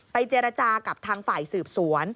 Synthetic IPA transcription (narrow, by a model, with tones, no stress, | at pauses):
pa˧jt͡ɕeː˧ɾa˧t͡ɕaː˧ka˨˩p̚t̪ʰaː˧ŋfaː˨˩jsɯː˨˩p̚su˨˩˦ən